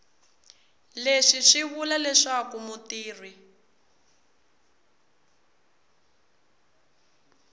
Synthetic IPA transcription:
leʂiʂiβulalɛʂakumutiːrwi

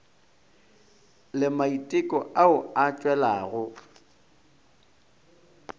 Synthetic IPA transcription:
lɪmaitʼɪkʼɔaʊat͡ʃʼwɛlaːɣʊ

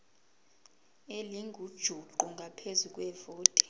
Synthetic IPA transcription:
eliŋɡʱud̥ʒ̥ʱuǃuŋɡʱapʰezuk̬ʼwɛvoːtʼɛ̥

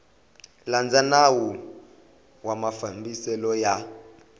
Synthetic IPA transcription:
land͡zʱanawɔ | wamafambisɛlɔja

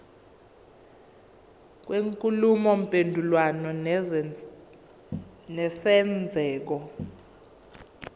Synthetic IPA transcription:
k̬weŋkʼulumɔm̩pʼendʱulwanɔ | nɛsɛnd͡zʱɛːk̬ɔ

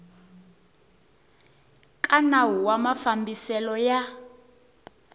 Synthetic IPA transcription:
kʼanaɦuwamafambisɛlɔja

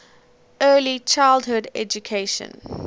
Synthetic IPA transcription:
ɜːlit͡ʃʰaɪlˠdɦʊdɛ̰d͡ʒukʰeɪʃə̰̃n

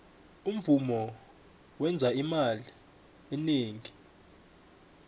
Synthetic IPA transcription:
um̩vumɔ | wɛnd͡zʱaimali | ɛneːŋʱi

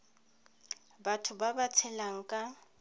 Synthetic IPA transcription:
batʰʊbabat͡sʰɛlaŋ̩kʼa

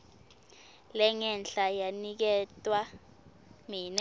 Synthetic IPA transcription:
lɛŋɛnɬʼajanik̬ɛtʼwa | minɛ

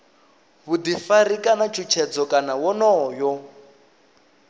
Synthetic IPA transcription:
βud̪ifaɾikʼanat͡ʃʰut͡ʃʰɛd͡zɔkʼanawɔnɔːjɔ

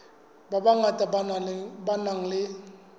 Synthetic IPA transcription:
babaŋatabanalbanãŋlɪ

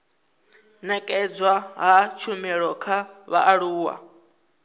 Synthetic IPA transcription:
nɛkʼɛd͡zwaɦat͡ʃʰumiɺɔkʰaβa̰ʔaɺuːwa̰

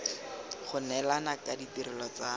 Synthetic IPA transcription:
χʊnɛlanakaditiɾɪlɔt͡sa

